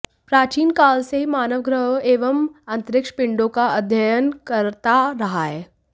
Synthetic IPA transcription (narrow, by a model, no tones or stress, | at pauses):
pɾat͡ɕiːnkalsemaːnəʋɡɾəɦeʋəmənt̪ɾɪkʂə̥pɪɳɖokaəd̪ʱjəjənkəɾt̪aɾəɦae